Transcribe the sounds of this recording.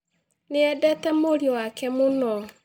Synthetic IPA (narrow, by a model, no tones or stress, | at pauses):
neɛdɛtamoɾjɔwakɛmonɔ